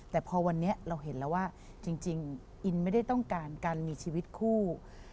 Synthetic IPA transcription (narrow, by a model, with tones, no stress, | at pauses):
t̪ɛː˨˩pʰɔː˧wa˧nːi˦˥ɐʔɾa˧wɦe˩˦nlɛː˦˥waː˥˩ | t͡ɕi˧ŋt͡ɕi˧ŋ | ʔi˧nma˥˩jda˥˩jt̪ɔ˥˩ŋkaː˧nkaː˧nmiː˧t͡ɕʰiː˧wi˦˥t̪̚kʰuː˥˩